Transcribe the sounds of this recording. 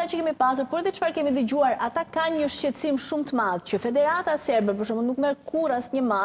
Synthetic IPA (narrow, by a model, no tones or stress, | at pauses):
at͡ʃəkɛmipas̬uɾpuɾɛðɛt͡ʃfaɾkɛmid̪əd͡ʑuaɾat̪akaɲəʃcɛt̪simʃumt̪əmaðt͡ɕəfɛd̪ɛɾat̪asɛɾbɛpəʃ̬ɔmɔnnukmɛɾkʰuɾasɲəma